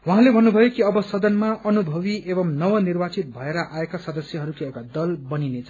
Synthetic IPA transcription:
waɦãlebʱʌnːubʱʌjokiʌbʌsʌd̪ʌnmaʔʌnubʱʌbiʔebʌmnʌwʌnirbat͡sit̪̚bʱʌeɾʌʔaekasʌd̪ʌsjʌɦʌɾukiʌkad̪ʌlbʌninet͡sʰʌ

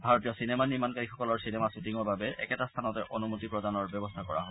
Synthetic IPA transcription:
bʱaɹot̬ijɔsinemaniɹmankaɹixɔkɔlɔɹsinemasutiŋɔɹbʱabɛʔɛkɛtast̪ʰanɔtɛʔonumotipɹɔdanɔɹbɔbɔst̪ʰakɔɹa̰ɦɔ

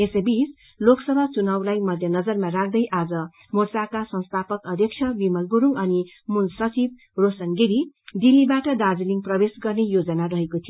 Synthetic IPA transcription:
esebis | loksʌbʱat͡sunʌwlajmʌd̪ʱjʌnʌd͡zʌrmarak̚ʰd̪ʌjʔad͡zʌ | mort͡sakasʌ̃nst̪ʰapʌkʌd̪ʱjʌk̚t͡ʃʰʌbimʌlɡuɾuŋʌni | munsʌt͡sib̚ | rosʌŋɡiɾid̪ilːibaʈʌd̪ad͡ziliŋprʌbesɡʌrnejod͡zʌnarʌɦekot̪ʰijoo

